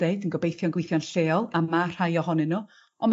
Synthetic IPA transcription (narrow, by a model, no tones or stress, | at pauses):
eɨdənɡɔbejθjɔnɡwejθjɔnɬeːɔlˠamar̥hajɔhɔnɨnu | ɔnm